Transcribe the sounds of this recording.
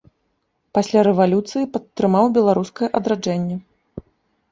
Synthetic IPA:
pasʲlʲaɾɛvalʲut̪sɨjipɐt̪ːɾɨmawbʲɛlˠaɾuskɐjɛʔɐd̪ɾad͡ʐɛnʲːɛ

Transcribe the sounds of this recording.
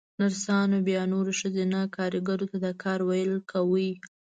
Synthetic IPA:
naɾsɑnobjɑnoɾeʃəzenakʰɑɾɪɡaɾot̪ad̪akʰɑɾwajəlkʰawi

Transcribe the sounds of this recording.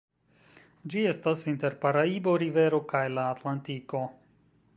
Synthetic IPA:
d͡ʒie̞stasinte̞ɾpaɾaibo̞ɾive̞ɾo̞kajlaːtlantiko̞

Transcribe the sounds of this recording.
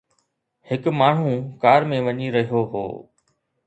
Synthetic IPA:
hɪkmaːɳ̤ũkaːɾmẽʋɐɲiɾɐɦijoɦo̰ː

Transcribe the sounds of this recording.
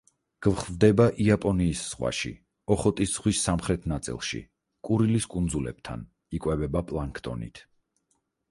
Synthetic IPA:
ɡ̥vχvd̪ɛbaʔiapʼɔniːsːʁwa̰ʃḭ | ɔχɔt̪ʼisz̥ʁwisːamχɾɛt̪ʰnat̪sʼḭlˠʃḭ | kʼuɾiliskʼund̪zulɛ̰b̥̚t̪ʰa̰n | ikʼwɛbɛbapʼlˠaŋkʰt̪ʼɔ̰nḭt̪ʰ

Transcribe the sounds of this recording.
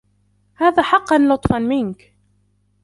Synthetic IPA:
haːðaːħɑqːɑnlʊt̪ˤfɑnmɪnk

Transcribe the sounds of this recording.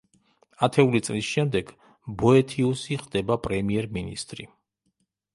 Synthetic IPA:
at̪ʰɛulit̪sʼlisʃɛmd̪ɛɡ | bɔɛt̪ʰiusiχd̪ɛbapʼɾɛmiɛɾminḭst̪ʼɾḭ

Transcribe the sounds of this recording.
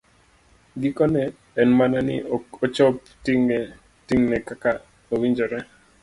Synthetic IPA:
ɡikɔnɛː | nmananɪ̰ot͡ʃɔp̚ | tiŋ | tiŋnɛkaka | owiɲd͡ʒɔɾɛ

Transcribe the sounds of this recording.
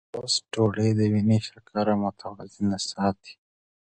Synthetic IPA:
osʈoɽəjd̪əwiniʃaɾkʰaɾamʊt̪ʰawɑzinasɑːt̪ʰi̥

